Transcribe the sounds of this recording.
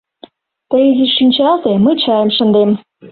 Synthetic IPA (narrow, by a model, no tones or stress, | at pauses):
t̪əjiziʃinʲt͡ɕɑlt̪eməjt͡ɕɑjə̆mʃə̆nd̪em